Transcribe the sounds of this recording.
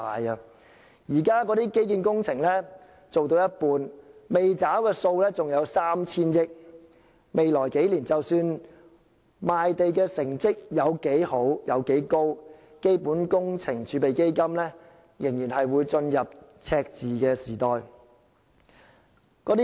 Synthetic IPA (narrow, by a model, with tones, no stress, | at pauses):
aː˨jɐ˧ | jiː˨˩kaː˥kɔː˨˥t̪iː˥ke˥jkiː˨˧nkʊ˥ŋt͡sʰɪ˨˩ŋlɛː˥ | t͡so˨wt̪̬o˧wjɐ˥t̚puː˨˧nme˨jt͡saː˨˥wkɛː˧so˧wlɛː˥t͡sʊ˨ŋjɐ˨˧wsaː˥mt͡sʰiː˥njɪ˥k̚ | me˨jlɔː˨˩jke˨˥jliː˨˩nt͡sɐ˨wsyː˧n | maː˨jt̪e˨jkɛː˧sɪ˨˩ŋt͡sɪ˥k̚jɐ˨˧wke˨˥jho˨˥wjɐ˨˧wke˨˥jko˥w | ke˥jpuː˨˥nkʊ˥ŋt͡sʰɪ˨˩ŋt͡ʃʰyː˨˧pe˨jke˥jkɐ˥mlɛː˥ | jɪ˨˩ŋjiː˨˩nhɐ˨jwuː˨˧jt͡sɵ˧njɐ˨p̚t͡sʰɛː˧k̚t͡siː˨˩kɛː˧siː˨˩t̪ɔː˨j | kɔ˨˧˥t̪i˥